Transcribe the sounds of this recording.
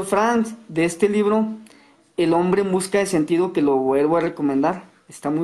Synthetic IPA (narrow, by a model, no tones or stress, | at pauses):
oɾfɾansd̪eest̪e̞liβɾo̞ | elo̞mbɾe̞βuskaese̞nt̪iðo̞ke̞loβwe̞lβoare̞ko̞mẽnd̪aɾ | est̪amu